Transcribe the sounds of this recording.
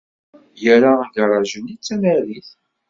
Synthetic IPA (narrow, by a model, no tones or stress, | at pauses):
jəɾaɡɾˤɑʒənit͡sːæmæɾiθ